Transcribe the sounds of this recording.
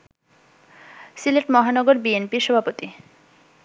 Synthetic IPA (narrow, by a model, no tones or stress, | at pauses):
sileʈmɔɦanɔɡoɾbienpiɾʃɔbʱapot̪i